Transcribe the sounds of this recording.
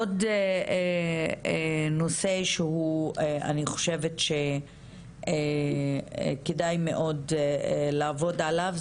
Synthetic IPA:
odeeno̞se̞ʃehuea̰niχo̞̥ʃe̞vetʃe̞ | ḛ | kedajme̞ʔo̞dlaːvo̞dalav

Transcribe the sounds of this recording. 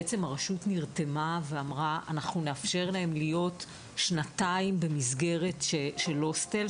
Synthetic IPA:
et͡se̞maʁaʃutniʁtemaveamʁaʔa̰naχnuneafʃe̞ʁlae̞mlijo̞t | ʃnataimbe̞mizɡe̞ʁe̞tʃeʃelo̞stel

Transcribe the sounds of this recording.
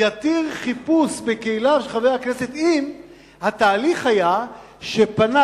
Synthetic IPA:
jat̪iʁχipusbekeilaʃeχavejakne̞set̪im | hat̪aːliχhaja | ʃe̞pana

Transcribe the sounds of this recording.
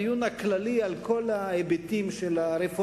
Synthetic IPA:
junaklalialko̞laebetimʃelaɾefo

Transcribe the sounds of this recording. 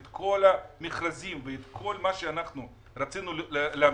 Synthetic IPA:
t̪kʰo̞lamiχɾazimveet̪kʰo̞lmaʃeanaχnu | ɾat͡sinulea

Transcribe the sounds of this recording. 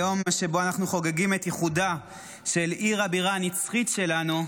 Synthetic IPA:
jo̞mʃe̞bo̞anaχnuχo̞ɡeɡime̞tjeχuda | ʃe̞liʁabiʁaːnit͡sχitʃe̞lanu

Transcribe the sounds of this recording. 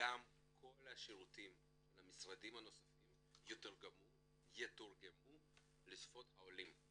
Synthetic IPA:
ɡam | kʰo̞laʃiʁutim | lamisʁadimhano̞sḁfim | jot̪aʁɡamu | jet̪uʁɡemu | lisfo̞thaolim

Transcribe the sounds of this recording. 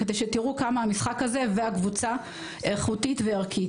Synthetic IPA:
ed̪ejʃetiʁukamaamisχakhaze̞veakvut͡sa | eʁχutitveaʁkʰi

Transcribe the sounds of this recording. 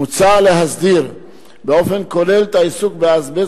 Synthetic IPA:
ut͡saleɦazdiɾ | beofenkolɛlt̪aisukbeazbɛ

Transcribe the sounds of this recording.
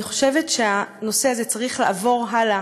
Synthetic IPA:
iχo̞̥ʃevetʃeano̞seazet͡saʁiχlaːvo̞ʁɦala

